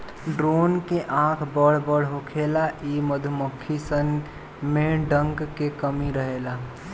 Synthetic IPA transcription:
ɖɾoːnkeʔãkʰbəɽ̤bəɽ̤ɦokʰelaʔiməd̪ʱuməkʰːisən | meɖəŋɡkekəmiɾəɦela

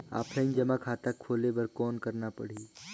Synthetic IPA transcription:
a̰ːpʰɾə̃ɪ̃nd͡ʒɐmakʰaːt̪akʰːoːlebəɾkɔːnkəɾnapɐ̰ɽ̤iː

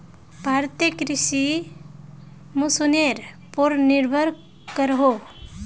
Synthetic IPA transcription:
bʱaːɾt̪jəkɾɪʃi | mũsuneɾ | poɾniɾbʱəɾ | kəɾɦo

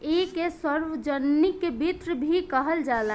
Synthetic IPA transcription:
ekesəɾʋəd͡ʒənːikːebʱit̪ɾəbʱikəɦəld͡ʒala

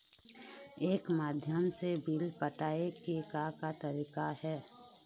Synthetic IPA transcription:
eːkmaːd̪ʱjəmsebiːlpəʈaːekekakat̪əɾiːkahɛː

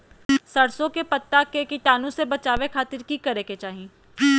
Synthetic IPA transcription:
sɐɽsõkepɐt̪ːakekiʈaːnõsebɐt͡ʃaːʋekʰaːt̪ɪɾkikɐɾeket͡ʃaːɦi

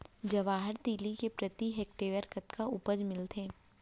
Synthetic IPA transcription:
d͡ʒɐʋaːɦəɾt̪iːlikepɾɐt̪iɦɛːk̚ʈeːʋəɾkɐt̪kʰaʊpəd͡ʒmɪlt̪ʰẽː

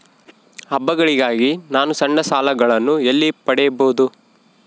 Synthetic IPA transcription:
ɐbːɐɡɐɭiɡaːɡinaːnusɐɳɖɐsaːlɐɡɐɭɐnːuelːipɐɽɛjɐboːd̪u

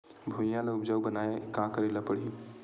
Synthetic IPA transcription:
bʱojãləupd͡ʒəwbənaekãkəɾelapəɽi

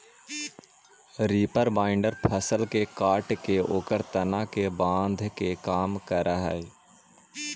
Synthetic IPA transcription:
ɾiːpəɾbaːɪɳɖəɾpʰəsəlkekaːʈkeoːkəɾt̪ənãkebãːnd̪ʱkekaːmkəɾaɦɛ̰

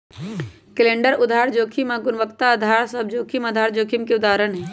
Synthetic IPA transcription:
kɪlẽːɳɖəɾʊd̪ʱaːɾd͡ʒoːkʰimãːɡʊnʋəkt̪aːd̪ʱaːɾsəbd͡ʒoːkʰimɐd̪ʱaːɾd͡ʒoːkʰimkeʊd̪aːɾənɦɛː

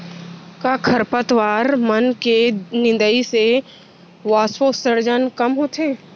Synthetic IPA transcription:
kakʰəɾpət̪ʋaːɾmənkenɪ̃nd̪əise | ʋaːswosəɾd͡ʒənkɐmɦoːt̪ʰeː

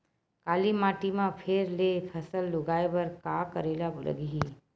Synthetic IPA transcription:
kaːlimaːʈimãpʰeɾlepʰəsəlːʊɡaːebəɾkaːkəɾeːlalə̰ɡiɦi

